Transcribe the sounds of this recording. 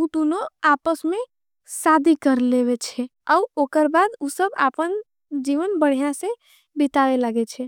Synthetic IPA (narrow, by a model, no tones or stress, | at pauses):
ud̪unoapəsmẽ | sad̪ʱikəɾleβet͡ʃʰɛəuokəɾbad̪usəba̰pən | d͡ʒiʋənbəɽ̤ijãse | bit̪aʋelaɡet͡ʃʰɛ